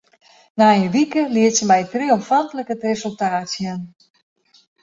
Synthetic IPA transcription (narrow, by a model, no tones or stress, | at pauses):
naənʋikəliətsəmɛjtriɔmfantələkətresəlˠtaːtsjən